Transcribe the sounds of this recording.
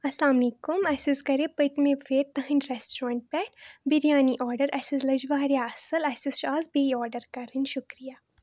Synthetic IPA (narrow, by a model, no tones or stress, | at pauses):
ɐsaːmnikomɛsiskɐɾepɐʈmẽfʰeːɾt̪ɐɦɐ̃nɾɛsʈɾãːɳʈ̚pɛːʈbiɾjaːniʔɔːɾɖəɾɛsizlɐd͡ʒʋaːɾjaɐsɐlɛsisʃaːzbeːiɔːɾɖəɾkɐɾinʃʊkɾijaː